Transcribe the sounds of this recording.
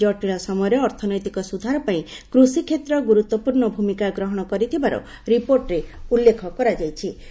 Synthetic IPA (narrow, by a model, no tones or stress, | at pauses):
ɔʈiɾɔsɔmɔjɔɾeːɾt̪ʰɔnɔjt̪ikɔsud̪ʱaɾɔpaĩkɾusikʰet̪ɾɔɡuɾut̪ːwɔpuɾɳɔbʱumikaɡɾɔɦɔɽ̃ɔkɔɾit̪ʰibaɾɔ̰ | ɾipoɾʈɾeulːekʰɔkɔɾad͡ʒajt͡ʃʰi